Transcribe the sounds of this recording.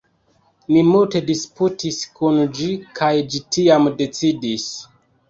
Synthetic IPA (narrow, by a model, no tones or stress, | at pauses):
nimulte̞disputiskund͡ʒikʰajd͡ʒitiamde̞t͡sidis